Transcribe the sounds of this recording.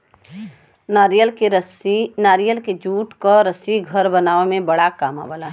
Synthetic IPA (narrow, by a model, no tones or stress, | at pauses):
aəlsinaːɾijəlked͡ʒuːʈkoɾɐsiɡʱɐɾbɐnaːemẽbɐɽakaːma̰bəlaɦ